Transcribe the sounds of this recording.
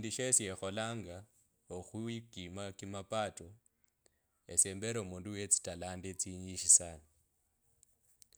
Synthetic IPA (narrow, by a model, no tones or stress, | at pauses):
ndiʃesiexo̞laːŋɡa | oxuikimakimapato | eseːmbeɾoumuːnduwet͡si̥talaːndet͡siɲiʃisana